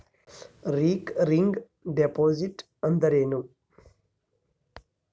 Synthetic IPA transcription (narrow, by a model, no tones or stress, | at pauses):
ɾiːkɾiŋɡ | ɖepoːziʈ | ənd̪əɾeːnu